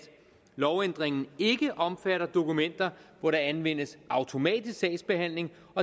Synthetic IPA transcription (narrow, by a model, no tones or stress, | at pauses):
lɒʊend̥ʁeŋn̩e̝ɡ̥əʔɒ̽mfæɾɐd̥o̝kumen̰d̥ɐʋɒɾɑ̈ænʋen̰əsʔɑ̈ʊt͡sʰo̝mɛ̰ːd̥isksɛɪsb̥e̝hæn̰le̝ŋ | ɒ̽